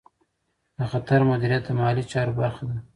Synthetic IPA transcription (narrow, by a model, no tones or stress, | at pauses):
d̪əxat̪aɾmʊd̪iɾijat̪̚d̪əmɑlit͡ʃɑɾobaɾxad̪a